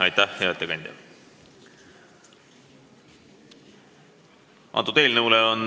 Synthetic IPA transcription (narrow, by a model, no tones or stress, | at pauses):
ɑjt̪ːæhjɑet̪ːˑekɑnʲd̪̥ʲɑ̰ | ɑ̰ːt̪ut̪e̞ːlnɤuleon